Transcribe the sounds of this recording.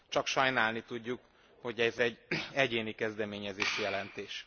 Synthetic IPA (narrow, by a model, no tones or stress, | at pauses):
t͡ʃɒkʃɒjnaːlnit̪uɟːuk | ho̞ɟɛzɛɟɛɟeːnikɛzd̪ɛmeːɲɛzeːʃijɛlɛnt̪eːʃ